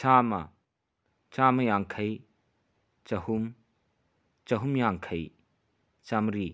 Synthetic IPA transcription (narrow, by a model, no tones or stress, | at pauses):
t͡ʃaːmɐ̰ | t͡ʃamɐjaŋkʰɐj | t͡ʃɐhum | t͡ʃɐɦumjaŋkʰɐj | t͡ʃamɾi